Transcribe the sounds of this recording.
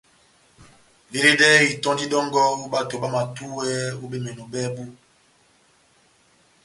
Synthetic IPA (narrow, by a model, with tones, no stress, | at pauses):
le˨ɾe˦dɛ˦i˨tɔ̃˦di˦dɔ˦ŋɡɔ˦u˦ba˦to˨ɓa˦ma˨tu˦wɛ˦u˦be˦me˨no˨bɛ˦bu˦